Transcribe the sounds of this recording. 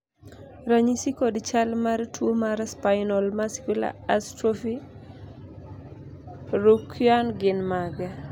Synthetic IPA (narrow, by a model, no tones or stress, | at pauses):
ɾaɲisikodt͡ʃalmartwomaɾspaɪnɔlmasi̥kwila̰astɾofi | ɾukʰjanɡɪnmaɡɛ